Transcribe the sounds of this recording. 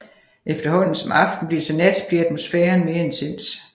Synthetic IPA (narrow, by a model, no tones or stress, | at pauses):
ʔefd̥ɐhɒ̽n̰n̩sɒ̽mʔɑ̈fd̥n̩b̥liɐsɒned̥b̥liɐæd̥mo̝sfɛːɐnme̝ːɐensʰe̝n̰s